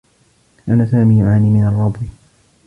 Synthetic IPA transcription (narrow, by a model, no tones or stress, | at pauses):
ʔanasaːmiːjʕaːniːmɪnɑrˤːɑbwi